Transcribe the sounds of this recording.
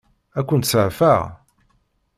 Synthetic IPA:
ækʷːənt̪səʕfæʁ

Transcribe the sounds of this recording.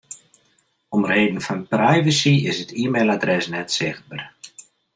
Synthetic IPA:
ɔmreːdən̩fɔnprɛjvəsiɪsətʰiːmeladrɛsnɛtsɪxt̚bər

